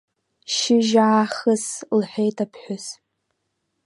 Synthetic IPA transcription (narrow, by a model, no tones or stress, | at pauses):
ʃɪʒaaχəslħʷᶣejtʰapʰħʷᶣʊs